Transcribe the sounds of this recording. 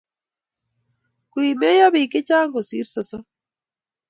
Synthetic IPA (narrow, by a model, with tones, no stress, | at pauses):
kwi˨me˦ja˦βi˨ke˦t͡ʃa˦ŋɡo˨si˨˦ɾsɔ˨sɔ˦